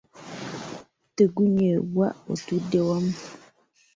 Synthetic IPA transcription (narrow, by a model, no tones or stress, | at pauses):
təɡuɲewwaʔo̰tudewɔm